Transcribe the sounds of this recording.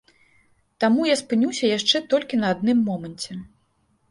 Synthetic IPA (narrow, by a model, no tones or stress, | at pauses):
t̪amujaspɨnʲusʲɐjaʂt͡ʂɛt̪ɔlʲkʲinɐːd̪̚nɨmːɔmɐnʲt͡sʲɛ